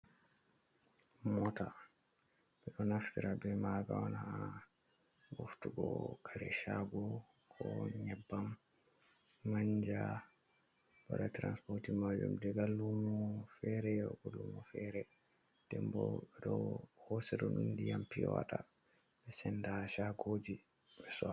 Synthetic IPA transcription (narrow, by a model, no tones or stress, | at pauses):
mɔta | bɛɗɔnaftiɾabɛmaɡa̰wanaa | ɡo̰ftuɡɔkʰaɾɛ̰ʃaɡɔ | kʰɔɲɛbːam | aɲd͡ʒa | b̥a̰ɾatɾanspɔɾtimad͡ʒṵmdɛɡalːumɔfɛɾɛjɔɡɔlumɔfɛɾɛ | dɛmbɔbɛɗɔhɔsɛdɔnundijampiɔwa̰ta | bɛsɛndaʃaɡod͡ʒi | bɛsɔ